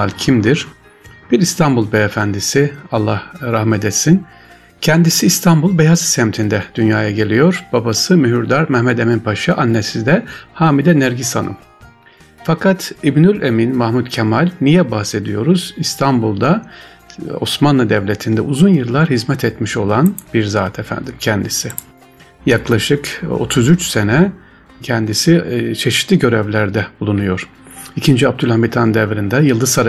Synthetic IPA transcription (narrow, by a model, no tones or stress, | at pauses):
lcʰimd̪iɾ̥ | b̥iɾist̪ʰanbulˠbɛefænd̪isialˠːahɾahmɛt̪et̪sin | cʰɛnd̪isiːst̪ʰambulˠbɛjazsɛmt̪ʰind̪ɛd̪̥ynjaːjaɟe̞lʲijo̞ɾbabasɯmyɦyɾd̪aɾmɛhmɛd̪e̞minpʰaʃɯʔanːesid̪ɛhaːmid̪ɛnæɾɟisanʔɯ̰m | fakʰat̪ʰibnylʲeminmahmut̪cʰɛmalʲnijɛbahse̞d̪ijo̞ɾuz̥ist̪ʰambulˠd̪a | o̞̰smanlˠɯd̪evlʲet̪ʰind̪ɛuzunjɯɾlˠaɾɦizmɛt̪ʰet̪miʃo̞lˠanbiɾzaːt̪ʰɛfæ̰nd̪imcʰɛnd̪isɪ | jaklˠaʃɯko̞̰t̪ʰuzyt͡ʃse̞nɛ | cʰɛnd̪isit͡ʃʰe̞ʃi̥t̪lʲiɟø̞ɾɛvlʲæɾd̪ɛbulˠunujo̞ɾ̥ | icʰind͡ʒiab̚d̪ylʲhambit̪ʰand̪ɛvɾind̪ɛjɯlˠd̪ɯzaɾ